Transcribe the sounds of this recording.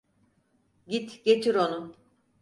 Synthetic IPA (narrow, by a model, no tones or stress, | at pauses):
ɟit̪ɟ̥e̞t͡ʃ̪ʰiɾo̞nu